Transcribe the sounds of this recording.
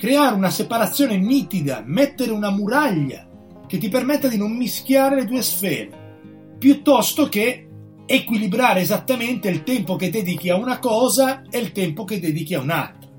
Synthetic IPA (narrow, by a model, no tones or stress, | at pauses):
kɾeaːɾeunasepaɾat̪sːjoːneniːt̪id̪a̰mɛt̪ːeɾeunamuɾaʎːa̰ | k̟et̪ːipermet̪ːad̪inomːisk̟jaːɾeled̪uːesfɛ̰ːɾe | pjut̪ːɔst̪ok̟eː | kwilibɾaːɾeːzat̪ːament̪eilt̪ɛmpoked̪ːɛːd̪ik̟iaunakɔːzaelt̪ɛmpoked̪ːɛːd̪ik̟iauna̰lt̪ɾa